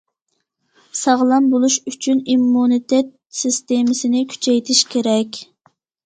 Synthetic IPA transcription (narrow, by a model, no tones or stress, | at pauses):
sɑʁlˠɑnbolˠuʃyt͡ʃʰynimːunit̪ʰɛt̪̚sist̪emɪsɪnɪkʲʰy̥t͡ʃʰɛjt̪ʰɪʃkʲʰeɾɛkʲ